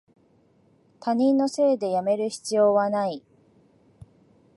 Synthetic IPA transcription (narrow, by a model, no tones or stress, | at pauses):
t̪aɲ̟ĩnːo̞se̞ːd̪e̞jame̞ɾɯ̟çi̥t͡sɨjo̞ːβanai